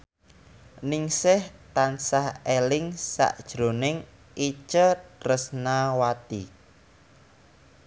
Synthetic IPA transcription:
nɪŋsɪht̪ansahelɪŋsa̰ʔd̥ʒ̥ɾo̤nɪŋ | it͡ʃərəsnawat̪ḭ

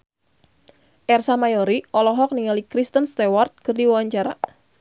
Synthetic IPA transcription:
ʔɛrsamajɔɾiʔɔlɔɦɔk̚niŋalikɾist̪ənst̪ɛwart̪̚kɨrdiwawaɲt͡ʃaɾa̰

